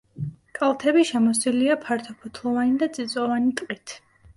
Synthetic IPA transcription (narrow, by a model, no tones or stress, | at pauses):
kʼalˠt̪ʰɛbiʃɛmɔs̬d̪iliapʰaɾt̪ʰɔpʰɔt̪ʰlˠɔvanid̪at̪sʼit̪sʼɔvanit̪ʼqʼit̪ʰ